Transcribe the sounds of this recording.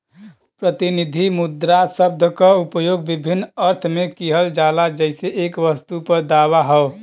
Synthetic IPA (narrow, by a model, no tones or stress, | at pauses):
pɾət̪inid̪ʱimud̪ɾasəb̚d̪ʱəkəupəjoɡ̚bibʱinːəɾt̪ʰmekiɦəld͡ʒalad͡ʒəɪseʔekʋəst̪upəɾd̪awaɦəo